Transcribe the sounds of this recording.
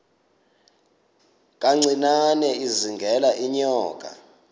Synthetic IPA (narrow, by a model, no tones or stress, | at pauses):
k̬ʼaŋ͡ǀʱinanɛiziŋɡʱɛlaʔiɲɔːkʼa̰